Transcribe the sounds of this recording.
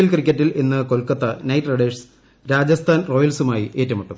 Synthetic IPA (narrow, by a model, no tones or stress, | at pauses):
ilkrikʲːɐtːilenːɨkolkɐt̪ːɐnɐjʈrɐɽeːʂs | ɾaːd͡ʑɐst̪ʰaːnro̞ːjɐlsumaːjiʔe̞ːtːɐmiʈːum